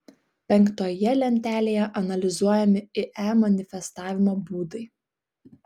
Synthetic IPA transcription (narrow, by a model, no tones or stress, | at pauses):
pʲɛŋˑkt̪oːjɛlʲɛnʲt̪ʲæːlʲeːjɛʔɐnɐlʲɪzuɔjɛmʲɪɪʔæmɐnʲɪfʲɛst̪ɑːʋʲɪmoːbuːd̪ɐɪ